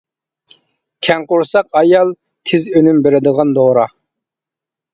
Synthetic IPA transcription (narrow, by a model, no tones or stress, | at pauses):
kʲʰɛŋqʊɾsɑqɑjɑlˠ | t̪ʰɪzønymbeɾɪd̪əʁɑnd̪oɾɑ